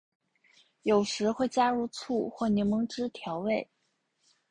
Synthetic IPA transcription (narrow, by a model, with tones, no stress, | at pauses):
jo˨˩ʊʂɻ̩˧˥xwe˥˩ɪt͡ɕja˥ɻu˥˧t͡sʰu˥˩xwɔ˥˩njɛ˧˥nmɤ˧˥ŋʈ͡ʂɻ̩˥t̪ʰjɑ˧˥ʊwe˥˩ɪ